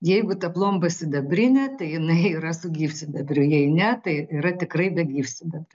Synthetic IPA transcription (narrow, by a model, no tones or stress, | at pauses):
jɛɪɡʊt̪ɐplˠoːmbɐsʲɪd̪ɐbʲrʲɪnʲɛt̪ɐɪjɪnɐɪiːɾɐsʊɡʲiːfʲsʲɪd̪ɐbʲɾʲʊjɛɪnʲɛt̪ɐɪiːɾɐt̪ʲɪkrɐɪbʲɛɡʲiːfʲsʲɪd̪ɐbʲrʲʊ